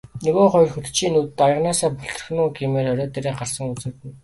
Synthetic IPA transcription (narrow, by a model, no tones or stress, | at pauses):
nɵɣoːχɔjrxɵt̪ʰt͡ɕʰiːnut̪ɘ̆t̪ajə̆ʁnaːsaːpʊɬt̪ɞ̆r̆xnuːɡimeːɾɔɾʲɔːt̪eɾeːɢarsə̆ŋut͡sɘ̆tɘ̆n